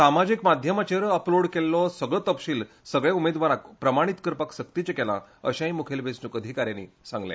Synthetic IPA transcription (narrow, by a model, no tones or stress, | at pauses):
samad͡ʑikmad̪ʱjəmat͡ɕeɾəəploɽkelːɔsəɡɭət̪əpɕiːl | səɡɭeumed̪ʋaɾakpɾəmaɽ̃it̪kəɾpakɕəkt̪it͡ɕekɛla̰ə̰ɕãɦimukʰelʋesnukəd̪ʱikaɾjãnḭːsãŋɡlḛ